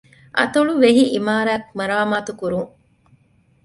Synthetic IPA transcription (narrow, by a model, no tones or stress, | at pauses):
ʔɐ̰t̪oɭuʋeɦiʔimaːɾæːkmɐɾaːmaːt̪ukuɾuŋ